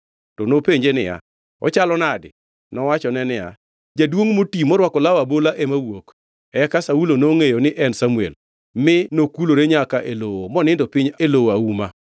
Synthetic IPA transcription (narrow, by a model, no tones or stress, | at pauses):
tɔnopeɲd͡ʒenɪ̰ja̰ | ɔ̰t͡ʃalɔnadɪ̰ | nɔwat͡ʃɔnɛnɪja̰ | d͡ʒadwoŋmotimɔɾwakɔlawabolaʔemawok | ɛkasaulonoŋejonɪʔɛnsamuḛl | mɪnokuloɾeɲakaʔelowomɔnɪndɔpɪɲelowoauma